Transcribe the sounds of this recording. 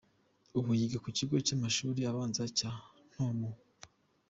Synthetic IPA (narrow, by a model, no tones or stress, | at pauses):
uβujiɡakuciɡo̞t͡ʃamaʃuːɾijaβaːnzaca | n̥homu